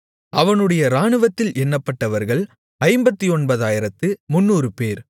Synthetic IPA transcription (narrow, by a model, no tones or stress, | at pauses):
ʔɐʋɐnɯɽɐjɐɾaːɳɯʋɐt̪ːɪlʔɛnːɐpːɐʈːɐʋɐɾɣɐɭ | ɐɪmbɐt̪ːiɔɳbɐðaːjɪɾɐt̪ːɯmʊnːuːrɯpeːɾ